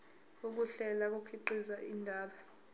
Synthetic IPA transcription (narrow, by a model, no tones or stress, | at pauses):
ok̬uɬɛlak̬ʼokʰiǃizaʔindʱaːɓa